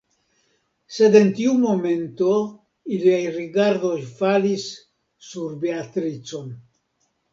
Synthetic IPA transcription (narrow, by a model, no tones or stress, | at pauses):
sed̪ent̪iumoment̪o | ilajriɡaɾðosfalisː | uɾbeat̪ɾit͡son